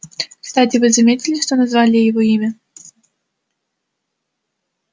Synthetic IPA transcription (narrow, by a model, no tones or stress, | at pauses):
kst̪atʲɪvɨzɐmʲetʲɪlʲɪʂt̪ɔnɐzvalʲɪjɪvɔimʲɐ